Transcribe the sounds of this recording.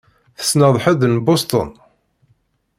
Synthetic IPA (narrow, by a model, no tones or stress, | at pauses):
θə̥snəðˤħæðnbost̪ˤə̰n